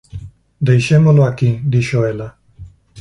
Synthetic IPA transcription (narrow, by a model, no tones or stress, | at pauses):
d̪ejʃemoloakid̪iʃoela